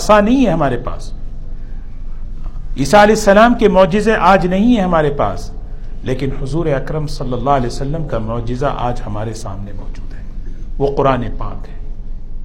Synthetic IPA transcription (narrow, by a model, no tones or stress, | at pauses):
sanɐɦĩɦɛɦɐmaːɾepa̰ːs | iːsaɐlɛːɪsːɐlaːmkemʊːd͡ʒɪzẽʔaːd͡ʒnɐɦĩɦɛ̃ɦɐmaːɾepa̰ːs | leːkɪnhʊzuːɾeɐkɾəmsɐlːəlːaːɦɐlɛːosɐlːəmkamʊːd͡ʒɪza̰ʔa̰ːd͡ʒhɐmaːɾesa̰ːmnemɔ̰ːd͡ʒuːd̪ɦɛːʋoːqʊɾaːnepa̰ːkɦɛː